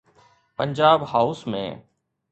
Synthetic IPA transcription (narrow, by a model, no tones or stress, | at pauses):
pəɲd͡ʒaːbhaʊsmḛ̃ː